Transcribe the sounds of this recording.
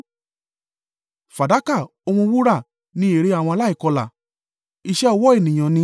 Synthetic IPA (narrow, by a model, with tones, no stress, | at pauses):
fa˨da˨˦ka˦˨o˧mũ˧wu˦ɾa˦˨ | nĩ˨˦e˨ɾe˨˦a˦˨w̃ɔ̃˧la˦i˦˨kɔ˧la̰˨ | i˧ʃɛ˦ɔ˧wɔ˦e˦˨nĩ˨j̃ã˨nĩ˧˦